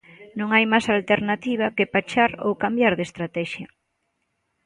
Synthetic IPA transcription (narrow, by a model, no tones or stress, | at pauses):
nõŋajmasalt̪eɾnat̪iβ̞akepat͡ʃaɾo̰wkambjaɾðest̪ɾat̪ɛʃjɐ